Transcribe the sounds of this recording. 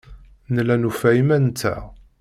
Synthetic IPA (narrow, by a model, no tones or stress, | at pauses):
nəlænufæimænt̪ːæ̰